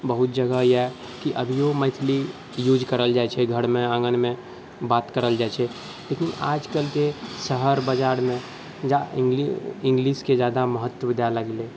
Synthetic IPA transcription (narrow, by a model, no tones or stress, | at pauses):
bəɦut̪̚d͡ʒəɡəja | kiʔəbʱijoməɪt̪ʰli | jud͡ʒkəɾəld͡ʒajt͡ʃʰɛɡʱəɽmeə̃ŋɡənme | bat̪kəɾəld͡ʒajt͡ʃʰɛ | lekina̰d͡ʒkəlkesəɦəɾbəd͡ʒaɾmẽ | d͡ʒaɡliĩŋɡlisked͡ʒjad̪aməɦət̪ːwəd̪aləɡle